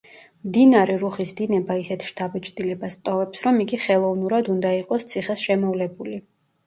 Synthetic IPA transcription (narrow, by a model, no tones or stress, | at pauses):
md̪inaɾɛɾuχisd̪inɛbaisɛt̪ʰʃt̪ʰabɛt͡ʃʼd̪ilɛbast̪ʼɔvɛpsɾɔmiɡiχɛlˠɔvnuɾad̪und̪aiqʼɔst̪sʰiχɛsʃɛmɔvlɛbuli